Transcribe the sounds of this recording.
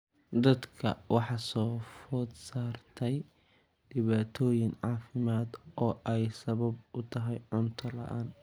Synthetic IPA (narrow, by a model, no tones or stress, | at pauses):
d̪ɐd̪kʰɐ̰wɑħɑsɔːfɔd̪saːrt̪ʰɛj | ɖɪβaːt̪ʰɔːjɪŋʕɑːfɪmaːd̪ɔːʔɛjsɐβɐbʊt̪ʰɐɦɛjʕʊnt̪ʰɐlɐ̰ʔaːn